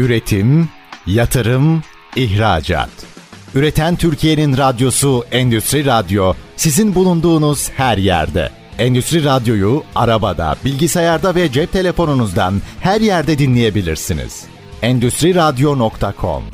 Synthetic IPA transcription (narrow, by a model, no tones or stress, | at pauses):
yɾe̞t̪ʰim | jat̪ʰɯɾɯm | içɾa̰ːd͡ʒa̰ːt̪yɾe̞t̪ʰænt̪ʰyɾcʰije̞ninɾad̪jo̞suɛnd̪yst̪ɾiɾad̪jo̞sizinbulˠund̪uːnuz̥hæɾjæ̰ɾd̪ɛ̰ | ɛnd̪yst̪ɾiɾad̪jo̞jua̰ɾabad̪a̰bilʲɟisajaɾd̪avɛd͡ʒɛp̚t̪ʰe̞lʲe̞fo̞nunuzd̪a̰nhæɾjæɾd̪ɛd̪inlʲeje̞bilʲiɾsinḭz̥ | ɛnd̪yst̪ɾiɾad̪jo̞nokt̪ʰakʰo̞̰m